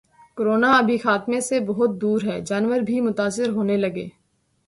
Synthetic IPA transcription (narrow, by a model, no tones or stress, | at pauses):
kɾoːnaɐbʱixaːt̪mẽsebɔɦʊt̪̚d̪uːɾɦɛːd͡ʒaːnʋəɾbʱimʊt̪aːsɪɾɦoːnelɐɡḛː